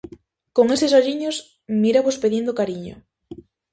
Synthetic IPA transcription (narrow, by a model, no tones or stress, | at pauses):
koŋesesoʎiɲos | miɾaβospeðiend̪okaɾiɲo̰